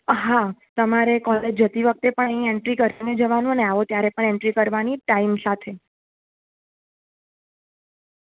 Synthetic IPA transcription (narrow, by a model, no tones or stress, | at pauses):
ɦat̪əmaɾekɔled͡ʒd͡ʒət̪iʋək̚t̪epəɳə̃ĩeɳʈɾikəɾaned͡ʒəʋanũəneaʋot̪jaɾepəɳeɳʈɾikəɾʋaniʈaimsat̪ʰe